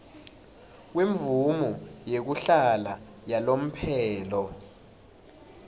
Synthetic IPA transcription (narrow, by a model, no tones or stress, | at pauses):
weɱvumujek̬uɬala | jalom̩pʰɛːlɔ